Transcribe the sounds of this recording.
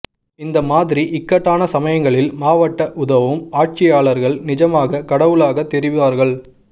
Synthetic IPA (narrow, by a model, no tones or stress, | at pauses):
ɪnd̪ɐmaːðɪɾiʔɪkːɐʈːaːnɐsɐmɐjɐŋɡɐɭɪlmaːʋɐʈːɐʔʊðɐʋɯmaːʈ̚t͡ʃɪjaːɭɐɾɣɐɭnɪd͡ʒɐmaːɣɐkɐɽɐʋɯɭaːɣɐt̪ːɛɾɪʋɪʋaːɾɣɐɭ